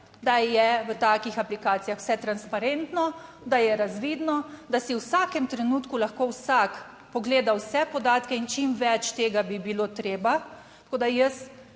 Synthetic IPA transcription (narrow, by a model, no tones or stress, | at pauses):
d̪ajɛʋət̪aːkixaplikaːt̪sijaxw̥sɛt̪ɾanspaɾent̪nɔ | d̪ajɛɾazʋiːd̪nɔd̪asiwsakɛmt̪ɾɛnuːt̪kulaxkowsak | pɔɡleːd̪awsɛpɔd̪aːt̪kɛint͡ʃimʋɛt͡ʃt̪eːɡabibilot̪ɾeːba | t̪koːd̪ajəs